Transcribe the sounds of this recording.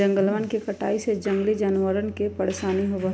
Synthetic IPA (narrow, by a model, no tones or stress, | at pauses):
ə̃ŋɡəlʋənkekəʈaːised͡ʒə̃ŋɡlid͡ʒaːnʋəɾənkepɐɽ̤saːniɦobə